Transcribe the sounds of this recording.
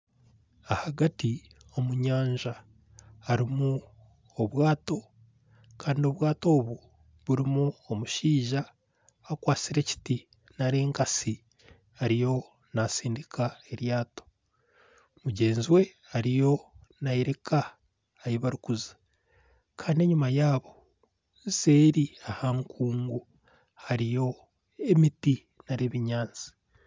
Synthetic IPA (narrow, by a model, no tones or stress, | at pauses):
ahaɡati | o̞muɲaːɲʒa | haɾimu | oβwaːto̞ | kaːndio̞βwaːto̞ːβu | βuɾimuomuʃiːʒaː | kwaːt͡siɾe̞ːci̥ti | naɾeːŋkasi | aɾijo̞ | nasiːndikʰaeɾjaːto̥ | muɟe̞ːnziwe̞ | aɾijo̞naiɾekaː | jiβaɾukuzḁ | kʰaːndie̞ɲumajaːβo̞ | nse̞ɾiahaŋkʰuːŋɡu | haɾijo̞ | e̞miti | naɾeβiɲaːnt͡si̥